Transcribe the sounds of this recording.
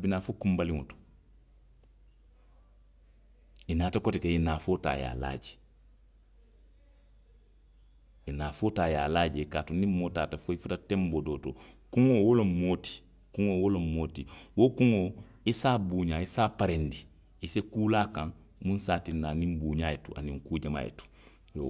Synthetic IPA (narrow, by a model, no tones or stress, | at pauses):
abinaːfokũmbalĩŋoto̥ | inaːtakɔtikeinaːfota̰ja̰ːla̰ːd͡ʒe | inaːfotaːja̰lad͡ʒekaːtunĩmotaːtafoifutatɛ̃mbodoːtokuŋowolomoːti̥ | kuŋowolomoːtiwokuŋo | isaːbuːɲaːisaːpaɾendi | isekuːlaːkãŋ | mũnsaːtinːaːnĩmbuːɲaːjetuʔa̰nĩŋkuːɟama̰ːjḛtu̥ | jo̰